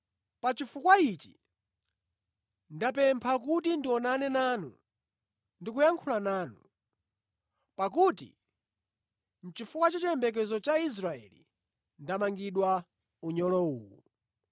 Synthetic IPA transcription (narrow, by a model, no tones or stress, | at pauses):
pat͡ʃifukwait͡ʃḭ | ndapɛmpʰak̬utindiɔnanɛnaːnṵ | ndikujaŋkʰulanaːnṵ | pak̬utḭ | n̩t͡ʃifukwat͡ʃɔt͡ʃɛmbɛk̬ɛzɔt͡ʃais̬ɾaɛ̰li | ndamaŋɡiɗwa | uɲɔlɔuːwṵ